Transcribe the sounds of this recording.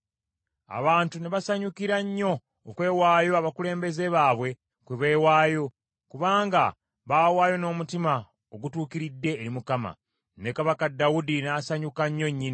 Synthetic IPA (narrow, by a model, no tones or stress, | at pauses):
a̰βaːntuneβasaɲukiɾaɲːo̞ː | kwe̞ːwaːjo̞aβakule̞ːmbe̞ze̞βaːβwe̞ | kweβe̞ːwaːjo̞ | kuβaːŋɡa | βaːwaːjo̞no̞ːmutima | oɡutuːkiɾidːe̞ːɾimukama̰ | ne̞kaβakadawudinaːsaɲukaɲːo̞ɲːini